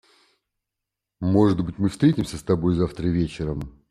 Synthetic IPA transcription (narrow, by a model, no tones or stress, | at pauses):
mo̞ʐɨd̪bɨtʲmɨfst̪ɾʲetʲɪmsʲəst̪ɐbo̞jzaft̪ɾəvʲet͡ɕɪɾəm